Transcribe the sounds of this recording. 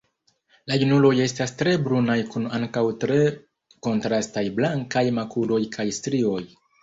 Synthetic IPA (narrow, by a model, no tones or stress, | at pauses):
lajunulo̞je̞stastɾe̞bɾunajkunaŋkawtɾe̞ | ko̞ntɾastajblaŋkajmakulo̞jkʰajstɾio̞j